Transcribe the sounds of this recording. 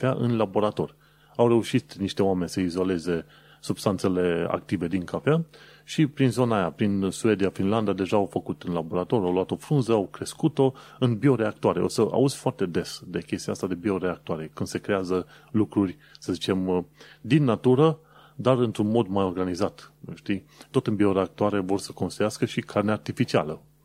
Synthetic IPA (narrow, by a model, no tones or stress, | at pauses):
faʔɨnlabo̞ɾat̪o̞rʲ | awre̞uʃit̪niʃt̪e̞oame̞nʲsəizo̞le̞ze̞ | subst̪ant̪se̞le̞a̰k̚t̪ive̞d̪iŋkafea | ʃipɾinzo̞naːjapɾinsue̞d̪iafinland̪ad̪e̞ʒaːwfəkut̪ɨnlabo̞ɾat̪o̞ɾʲawluat̪o̞fɾunzəawkɾe̞skut̪o̞ɨnbio̞ɾe̞akt̪uaɾe̞ʔo̞səʔa̰uz̥foart̪e̞d̪e̞sd̪e̞kʲe̞st̪ijast̪ad̪e̞bio̞ɾeak̚t̪uaɾe̞kɨnd̪se̞kɾe̞azə | lukɾurʲ | səzit͡ʃe̞md̪inːat̪uɾə | d̪arɨnt̪ɾunmo̞d̪majo̞rɡanizat̪ʃt̪i | t̪o̞t̪ɨnbio̞ɾeak̚t̪uaɾe̞vo̞rsəko̞nst̪ejaskəʃikʰarneart̪ifit͡ʃia̰lə